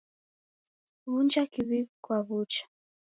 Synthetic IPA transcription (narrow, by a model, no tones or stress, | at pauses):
βund͡ʒakiβiikwaβut͡ʃḁ